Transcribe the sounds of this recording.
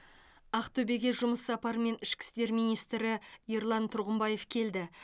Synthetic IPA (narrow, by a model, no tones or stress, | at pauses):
ɑqt̪ʰɵbe̞ɡʲe̞ʒʊməsːɑpɑɾme̞nɪʃkʲɪ̥st̪e̞ɾmijnijst̪ɾɪjeɾlˠɑnt̪ʰʊɾʁəmbɑje̞fkʲʰe̞ld̪ɪ